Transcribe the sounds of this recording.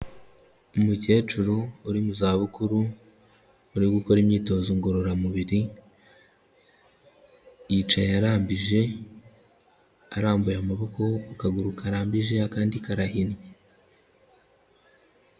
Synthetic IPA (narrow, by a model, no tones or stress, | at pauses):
umuce̞ːt͡ʃuɾouɾimuzaːβukuɾu | uɾiɡukoɾimɲiːto̞ːzoŋɡo̞ɾo̞ɾamuβiɾi | jit͡ʃajjaɾaːmbiʒe̞ | aɾaːmbujamaβo̞ko̞akaɡuɾukaɾaːmbiʒe̞akaːndikaɾahinje